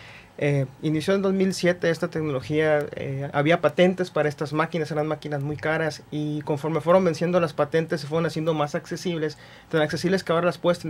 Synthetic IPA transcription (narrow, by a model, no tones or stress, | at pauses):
einisjoðed̪o̞zmilsje̞t̪e̞est̪at̪ekno̞lo̞xiaḛa̰βiapat̪e̞nt̪e̞spaɾae̞st̪azmakinase̞ɾanmakinazmujkaɾasiko̞ɱfo̞ɾmefwe̞ɾo̞mbe̞nsje̞nd̪o̞laspat̪e̞nt̪e̞sːefweɾonasje̞nd̪omasakse̞siβles | t̪anakse̞siβleskaoɾalaspwest̪